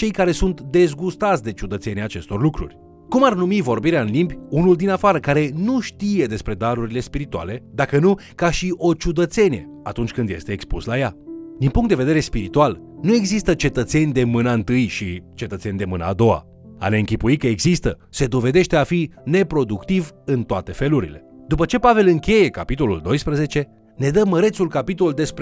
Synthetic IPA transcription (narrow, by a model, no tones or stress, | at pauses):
t͡ʃe̞jkaɾe̞sunt̪d̪e̞zɡust̪at̪sʲd̪e̞t͡ʃud̪ət̪se̞niaːt͡ʃe̞st̪o̞rlukɾṵrʲ | kumarnumivo̞rbiɾeaɨnlimbʲunuld̪inafaɾəkaɾe̞nuʃt̪ije̞d̪e̞spɾe̞d̪aɾuɾile̞spiɾit̪ua̰le̞d̪akənukaʃiʔo̞t͡ʃud̪ət̪se̞nije̞̰ | at̪unt͡ʃʲkɨnd̪je̞st̪e̞ːkspṵslajad̪inpuŋkt̪d̪eve̞d̪e̞ɾe̞spiɾit̪ual | nue̞ɡzist̪ət͡ʃe̞t̪ət̪se̞nʲd̪e̞mɨnəɨnt̪ɨjʃit͡ʃe̞t̪ət̪se̞nʲd̪e̞mɨnə̰ːd̪o̞a̰ | a̰ne̞ɨŋkʲipuikəeɡzist̪ə | se̞d̪o̞ve̞d̪e̞ʃt̪e̞afine̞pɾo̞d̪ukt̪ivɨnt̪oat̪e̞fe̞luɾḭle̞̰d̪upət͡ʃe̞pave̞lɨŋkʲe̞je̞kapit̪o̞luld̪o̞jspɾəze̞t͡ʃe̞ | ne̞d̪əmːəɾe̞t̪sulkapit̪ould̪e̞spɾ